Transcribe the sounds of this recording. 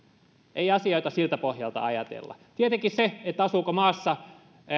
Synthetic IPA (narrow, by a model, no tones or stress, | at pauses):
ʔeiɑsioit̪ɑsilt̪æpohjɑlt̪ɑ̰ɑjɑt̪ḛlːɑ̰t̪iet̪eŋkisseet̪ːæɑsuːkomɑːsːɑ